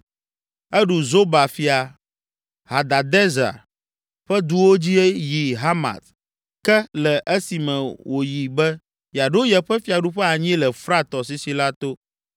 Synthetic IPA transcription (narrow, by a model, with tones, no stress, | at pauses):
ɛ˦ɖu˨zo˦ba˨fi˨a˨ | ha˨d̪a˨d̪ɛ˦za̰˨ɾ | ɸɛ˦d̪u˦wo˦d͡ʑi˦ɛ˦ji˨ɦa˦ma̰˨t̪ | kɛ˦lɛ˨ʔɛ˦si˨mɛ̃˨wʔo˨ji˨bɛ˦ | ja˨ɖo˦jɛ˨ɸɛ˦fi˨a˨ɖu˦ɸɛ˦a˨ɲĩ˦lɛ˨fɾa˦t̪ɔ˨s̬i˨si˨la˦t̪o˦